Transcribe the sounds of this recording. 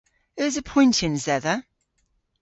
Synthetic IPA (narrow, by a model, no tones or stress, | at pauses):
əzəpʰɔ̃ɪ̃ntɪ̃nzɛðə